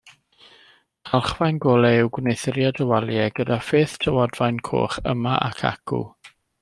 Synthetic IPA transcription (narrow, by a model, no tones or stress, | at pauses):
alˠχvajnɡoːlˠɛɪwɡwnejθəɾjadəwalˠjɛɡədafɪːθtʰəwɔdvajnkʰo̰ːχə̰maʔa̰kʰa̰kʰṵ